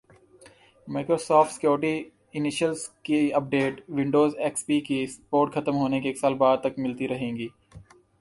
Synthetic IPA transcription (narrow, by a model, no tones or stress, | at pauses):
maːkɾoːsɔːfʈsɪ̥kjoːɾʈi | ɪnɪʃəlskiɐp̚ɖeːʈʋɪ̃ɳɖoːzeːkspiːkispoːɾʈxʰɐt̪əmɦoːnekeeːksaːlbaːd̪̚t̪ɐkmɪlt̪iɾɐɦẽːŋɡiː